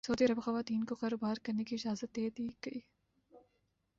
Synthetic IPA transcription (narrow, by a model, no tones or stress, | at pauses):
sɐɦud̪iɐɾɐbxɐʋaːt̪iːnkokaːɾoːbaːɾkɐɾnekiɪd͡ʒaːzət̪̚d̪eːd̪iːɡ̥ɐiː